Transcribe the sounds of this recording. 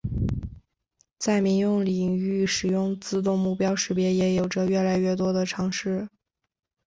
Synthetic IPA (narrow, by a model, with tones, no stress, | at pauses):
t͡sa˥˩ɪmi˧˥ŋjʊ˥˩ŋli˨˩ŋy˥˩ʂɻ̩˨˩jʊ˥˧ŋt͡sɹ̩˥˧t̪̬ʊ˥˧ŋmu˥˩pjɑ˥ʊʂɻ̩˥pjɛ˧˥jɛ˧˥jo˨˩ʊʈ͡ʂə˦ɥɛ˥˩la˧˥ɪɥɛ˥˩t̪wɔ˥d̪ə˨ʈ͡ʂʰɑ˧˥ŋʂɻ̩˥˩